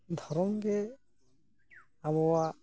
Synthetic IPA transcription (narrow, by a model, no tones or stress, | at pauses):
d̪ʱɔɾɔmɡɛ | abɔwa